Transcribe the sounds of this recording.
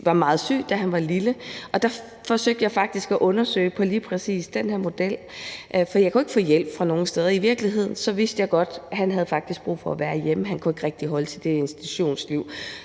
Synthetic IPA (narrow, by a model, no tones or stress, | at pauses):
ʋɑ̈mɑ̈ːð̞̩ˠsy̰ːd̥æɦænʋɑ̈liləʔɒ̽d̥æ | fɒ̽søɡ̥̚d̥jɑ̈ɪfɑ̈ɡ̥d̥isɡ̥æʔɔ̽nɐsø̰ɪpʰɒ̽liːpʰʁɛsḭːsd̥enheɐmo̝d̥el̰ | ʔfɒdijaɪkʰue̝ɡ̥fɔ̰ːjel̰b̥fʁɑ̈no̝ːŋəsd̥eð̞ˠɐiʋiɐɡ̥liɦe̝ð̞̰ˠn̩sɒ̽ʋisd̥əjɑ̈ɪɡ̥ɒ̽d̥ɦænɦæð̞ˠfɑ̈ɡ̥̚d̥isɡ̥̚b̥ʁṵːfɒ̽æʋæːɐjeməɦænkʰue̝ɡ̥ʁɛɡ̥d̥iɦɒ̽lət͡sʰe̝ld̥e̝e̝nsd̥i̥t͡sʰu̥ɕo̝̰ːnsliʊ̰